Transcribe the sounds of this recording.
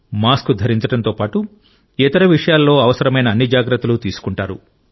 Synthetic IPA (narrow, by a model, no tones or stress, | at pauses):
maːskud̪ʱɐɾiɲt͡ʃɐɽɐnt̪o̞ːpaːʈu | ɛt̪ɐɾɐʋiʂɐjaːlːo̞ːɐʋɐsɐɾɐmɐjnɐːnːid͡ʒaːɡɾɐt̪ːɐlut̪iːsu̥kuɳʈaːɾṵ